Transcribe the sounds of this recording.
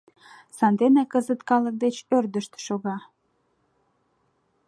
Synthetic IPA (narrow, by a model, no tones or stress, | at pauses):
sɑnd̪enekəzət̪kɑlək̚d̪et͡ɕørd̪əʃt̪ʃoɣɑ